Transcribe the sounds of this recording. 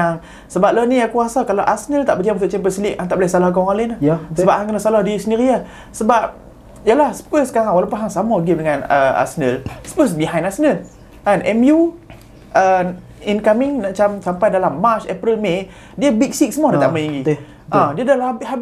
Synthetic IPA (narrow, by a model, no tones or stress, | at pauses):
aŋ | səbap̚ləniakuasakalawʔasənəlt̪aʔbəd͡ʒamunt̪ʊʔt͡ʃɛmpəslik̚aŋt̪aʔbəlasalahɡɔŋalənahsəbap̚haŋkənəsalahdisəniɾia | səbap̚ | jalahsə̥pəsəkaɾaŋwalawpunɦaŋsamaɡif̚dəŋanəa̰sənəlsə̥pəs̬biɦãj̃nasənəl | anʔɛmju | ʔə | inkamiŋnaʔt͡ʃamsampajdalamːat͡ʃɛpɾəlme | diəbik̚sik̚səmɔdat̪a̰ʔməjiŋi | ʔãdiədalabɦab